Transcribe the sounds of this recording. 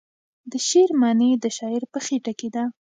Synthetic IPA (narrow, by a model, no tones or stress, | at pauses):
d̪əʃeɾmɑned̪əʃɑɪɾpəxeʈaked̪a